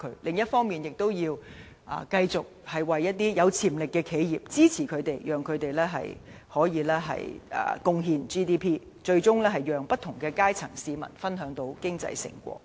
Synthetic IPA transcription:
kʰɵ̰˨˧˥ɥlɪ˨ŋjɐ˥t̚fɔː˥ŋmiː˨njɪ˨k̚t̪o˥wjiː˧w | ʔa̰ː˨kɐ˧jt͡sʊ˨k̚hɐ˨jwɐ˨jːɐ˥t̚t̪iː˥jɐ˨˧wt͡sʰiː˨˩mlɪ˨kːɛː˧kʰe˨˧jjiː˨p̚t͡siː˥t͡sʰiː˨˩kʰɵ˨˧ɥt̪e˨jjœː˨˩ŋkʰɵ˨˧ɥt̪e˨jlɛː˥ɦɐ̰˨j | hɔː˨˥jiː˨˧lɛː˥ɦɐ̰˨jɐ̰ː˨˩kʊ˧ŋɦiː˧nt͡ʃiː˥t̪̬iː˥pʰiː˥ | t͡ʃɵ˧ɥt͡sʊ˥ŋlɛː˥ɦɐ˨˩jjœː˨ŋpɐ˥t̪ʰʊ˨˩ŋkɛː˧kaː˥jt͡sʰɐ˨˩ŋsiː˨˧mɐ̰˨˩nfɐ˥nɦœː˨˥ŋt̪o˧˥wkɪ˥ŋt͡sɐ̰˧jsɪ̰˨˩ŋkʷɔ̰ː˧k̚

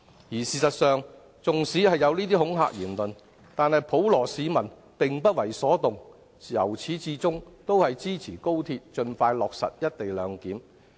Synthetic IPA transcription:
jiː˨˩siː˨sɐ˨t̚sœː˨˧ŋ | t͡sʊ˨ŋsiː˨˥hɐ˨jːɐ˨˧wliː˥t̪iː˥hʊ˨˥ŋɦa̰ː˧k̚jiː˨˩nlɵ˨n | t̪aː˨˧nhɐ˨jpʰo˨˥wlɔː˨˩siː˨˧mɐ˨˩n | pɪ˨ŋpɐ˥t̚wɐ˨˩jsɔː˨˥t̪ʊ˨ŋ | jɐ̰˨˩wt͡sʰiː˨˥t͡siː˨˥t͡sʊ˥ŋt̪o˥whɐ˨jt͡siː˥t͡sʰiː˨˩ko˥wt̪ʰiː˧t̚t͡ʃɵ˧nfaː˧jlɔː˨k̚sɐ̰˨t̚jɐ˥t̚t̪e˨jlœː˨˧ŋkiː˨˥m

